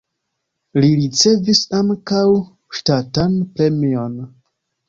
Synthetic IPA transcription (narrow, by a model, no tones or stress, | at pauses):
liɾit͡se̞visaŋkaw | ʃtatanpɾe̞mion